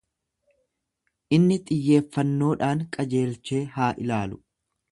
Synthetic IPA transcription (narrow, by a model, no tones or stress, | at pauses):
ʔɪnːɪt̪ʼɪjːe̞ːfːɐnːo̞ːᶑaːŋkʼɐd͡ʒe̞ːlt͡ʃe̞ːɦaːʔɪlaːlʊ